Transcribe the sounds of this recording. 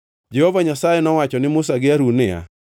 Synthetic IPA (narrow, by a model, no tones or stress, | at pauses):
d͡ʒehovaɲasajenɔwat͡ʃɔnɪmʊsaɡɪaɾunɪa̰